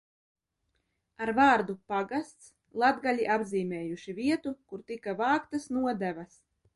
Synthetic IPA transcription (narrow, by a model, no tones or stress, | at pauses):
aɾvaːɾd̪upaɡast̪s | lˠad̪ɡalʲiʔabziːmɛːjuʃiviɛt̪ukuɾt̪ikavaːkt̪asnuɔd̪ævas